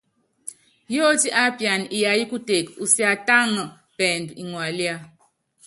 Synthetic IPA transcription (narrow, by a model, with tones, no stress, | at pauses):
jɔ˦ti˦ʔa˦pja˨ni˨ja˨ji˦ku˦te˨ku˨si˦a˨ta˦ŋə˨ | pɛ˨ndu˨i˨ŋwa˨lja˦